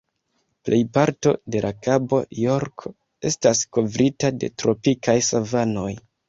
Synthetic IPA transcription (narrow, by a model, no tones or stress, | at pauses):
plʔe̞jpaɾto̞̰de̞lʔakabo̞̰joɾkʰo | e̞stasko̞vɾitade̞̰tɾo̞pikajsavano̞j